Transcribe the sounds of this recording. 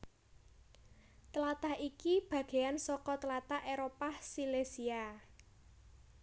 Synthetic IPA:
t̪əlat̪ahikib̥ä̤ɡ̥e̤ansɔkɔt̪əlat̪aheɾopahsilesia

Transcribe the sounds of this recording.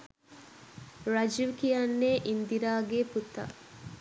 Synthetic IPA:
ɾɐd͡ʒiʋkijanːeːʔind̪iɾaːɡeːput̪ːɐ̰

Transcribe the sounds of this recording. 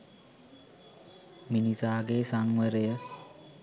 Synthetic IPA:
minisaːɡeːsaŋweɾejə

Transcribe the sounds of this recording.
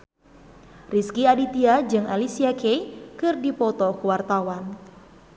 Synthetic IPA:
riskiadit̪iad͡ʒɨŋʔalisiakejkɨrdipɔt̪ɔkuwart̪awan

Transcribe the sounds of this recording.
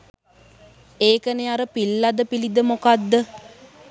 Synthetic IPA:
eːkəneaɾəpilːad̪əpilid̪əmokad̪ːə

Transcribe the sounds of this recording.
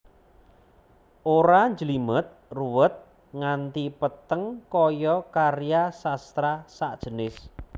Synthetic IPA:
ʔoɾaɲd͡ʒəlimət̪̚ruwət̪̚ | ŋant̪ipət̪əŋkɔjɔkarijasast̪ɾasaʔd̥ʒ̥ənɪs

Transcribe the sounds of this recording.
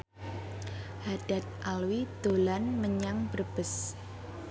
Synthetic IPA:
haɖ̥at̪̚ʔalwid̪̥olanməɲaŋb̥ərb̥əs

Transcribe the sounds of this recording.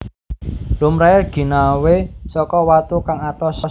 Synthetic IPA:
lʊmɾaɛrɡ̥i̤nawesɔkɔwat̪ukaŋat̪ɔsɔ

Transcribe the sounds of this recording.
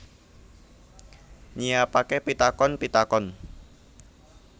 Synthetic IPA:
ɲijapakepit̪akɔnpit̪akɔn

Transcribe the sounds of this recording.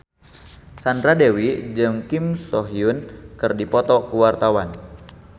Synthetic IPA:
sandɾadewid͡ʒɨŋkimsɔɦiʊnkɨrdipɔt̪ɔkuwart̪awan

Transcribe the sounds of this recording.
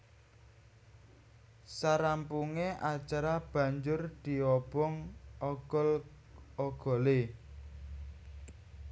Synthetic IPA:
saɾampuŋeʔat͡ʃaɾab̥ä̤ɲd͡ʒʊrd̪̥i̤ɔb̥ɔŋɔɡ̥ɔl | ɔɡ̥ɔ̤le

